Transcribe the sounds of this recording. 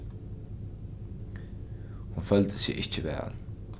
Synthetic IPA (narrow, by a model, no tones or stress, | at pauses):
hʊnfœld̪əsḭʔɪt͡ʃːəvæ̰ːʁə̰n